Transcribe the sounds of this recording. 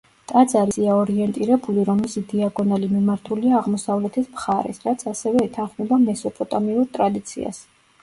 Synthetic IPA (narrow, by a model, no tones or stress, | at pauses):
t̪ʼad̪zaɾisiaɔɾiɛnt̪ʼiɾɛbuliɾɔmɛsid̪iaɡɔnalimimaɾt̪ʰuliaːʁmɔsavlɛt̪ʰismχaɾɛ̰sɾat̪sʰasɛvɛːt̪ʰanχmɛbamɛsɔpʼɔt̪ʼɔmiuɾt̪ʼɾad̪it̪sʰḭa̰s